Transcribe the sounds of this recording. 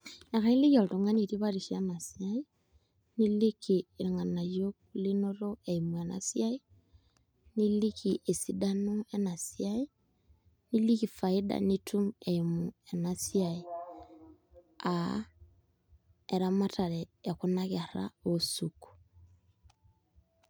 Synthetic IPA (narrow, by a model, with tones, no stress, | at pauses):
na˨ka˦i˦li˦ko˨ltu˨ŋa˦ni˨ti˦βa˦ɾiʃiana˨sjai | ni˦li˦kiɾi˨ŋa˨na˨jjokuli˦no˦ɾo˦eimu˨e˨na̰˨sja˦i˦ | ni˦li˦kiʔe˨si˦danoe˦na˨siai˦ | ni˦li˦ki˨fa˨ida̰nitʰu˦me˨imue˨na˨sjai | a | e˨ɾa˦ma˦taɾɛː˨ku˦na˦ɣe˨ɾa̰o˦suku̥